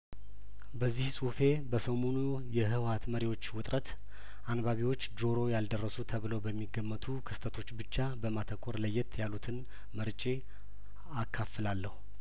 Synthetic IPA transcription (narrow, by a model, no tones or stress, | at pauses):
bəzːihsʼufe̞bəsəmonu | jɛɦɨwat̪məɾiwo̞t͡ʃːwʊt̪ʼɾʔət̪ | ʔanbaβiwo̞t͡ʃːd͡ʒo̞ɾo̞jald̪ərːəsut̪ʰəβɨləwbəmːiɡːəmːət̪ʰukʰɨst̪ʰət̪ʰo̞t͡ʃːbɨt͡ʃːabəmat̪ʰəkʼoɾləjːɪt̪jalut̪ʰɨn | məɾt͡ʃʼe | akʰːafːɨlalːəhu